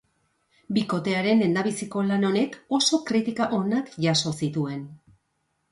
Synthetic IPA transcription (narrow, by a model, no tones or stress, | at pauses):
biko̞t̪e̞aɾe̞ne̞nd̪aβ̞isiko̞lano̞ne̞ko̞so̞kɾit̪ikaʔo̞nakʝaso̞sit̪ue̞n